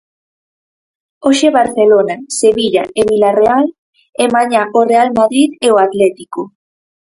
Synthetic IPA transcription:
oʃeβaɾθelonaseβiʎaeβilareal | ɛmaɲaʔorealmaðɾiðeoat̪lɛt̪iko

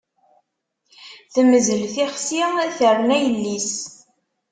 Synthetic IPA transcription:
θəməzəlθiχsiθəɾnæjəlːis

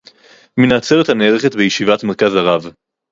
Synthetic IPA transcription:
minat͡seʁethaneːʁeχet̪bejeʃivatmeʁkazaʁav

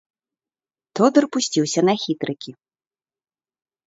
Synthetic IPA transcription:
t̪ɔd̪ɨrpusʲt͡sʲiwsʲɐnɐxʲit̪ɾɨkʲi

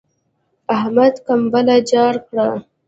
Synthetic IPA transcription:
ahmad̪kambəlad͡ʒɑɽkɽa

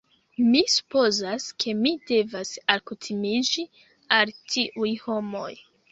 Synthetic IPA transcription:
misu̥po̞zaskʰe̞mide̞vasakutʰimid͡ʒi | altʰiʔujho̞mo̞̰j

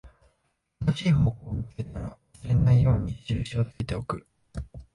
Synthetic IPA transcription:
anoɕiːho̞ːko̞ːmit͡seɾɯnaɾaasɨɾe̞naijo̞ːɲ̟iɕiɾɯ̟ɕiot̪akʲet̪e̞o̞kɯ̟

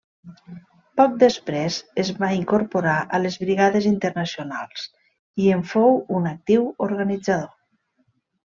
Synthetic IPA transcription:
pɔk̚d̪espɾezezβaiŋkoɾpoɾaʔəlezβɾiɣaðezint̪əɾnəsionalˠs | iəɱfowunək̚t̪iwoɾɣanid͡zaðo

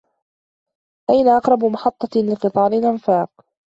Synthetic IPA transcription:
ʔajnaʔɑqɾˤɑbmɑħɑt̪ˤːɑlɪqɨt̪ˤɑːɾɪlʔanfɑːq̚

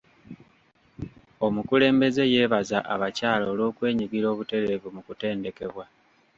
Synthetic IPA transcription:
o̞mukule̞ːmbe̞ze̞je̞ːβazaʔaβacaːloːlo̞ːkwe̞ːɲiɡiɾo̞ːβute̞ɾe̞vumukute̞ːnde̞ke̞βwa

